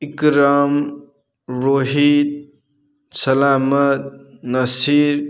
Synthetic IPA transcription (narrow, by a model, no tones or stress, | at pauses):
ikɾaːm | ɾoːɦid̪̚ | sɐlaːmɐt̪̚nɐsiːɾ